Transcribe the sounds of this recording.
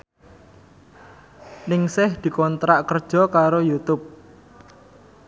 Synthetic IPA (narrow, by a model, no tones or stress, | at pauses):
nɪŋsɪhd̪̥i̤kɔnt̪ɾaʔkərd̥ʒ̥ɔ̤kaɾojut̪ʊp̚